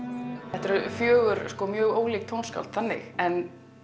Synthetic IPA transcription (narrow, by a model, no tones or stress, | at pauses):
ɛht̪ɛɾfjœːɣʏɾskɔmjœːɣoːwliːk̚t̪ʰownska̰lt̪θanːɪ̰xɛn